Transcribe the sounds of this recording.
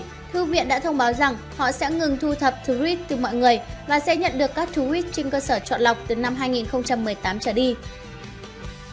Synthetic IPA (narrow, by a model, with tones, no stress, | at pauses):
t̪ʰu˧vḭ˧˨ənɗa̰ː˧˥t̪ʰə˧wŋ͡mɓaː˨˦wza˨˩ŋ | hɔ̰˧˨sɛ̰˧˥ŋɨ˨˩ŋt̪ʰu˧t̪ʰə˨˩p̚t̪ʰu˨˦wi˦˥t̚t̪ɨ˨˩mɔ̰˧˨jŋɨ˨˩əjvaː˨˩sɛ̰˧˥ɲə̰˧˨nɗɨ˨˩əkːaː˦˥k̚t̪ʰu˨˧˦wi˦˥t̚t͡ɕi˧ŋkəː˧səː˧˩t͡ɕwɔ̰˧˨nla˨˩wk͡p̚t̪ɨ˨˩na˧mɦaː˧jŋi˨˩nxə˧wŋ͡mt͡ɕa˧mːɨ˨˩əjt̪aː˨˦mt͡ɕəː˧˩ɗi˧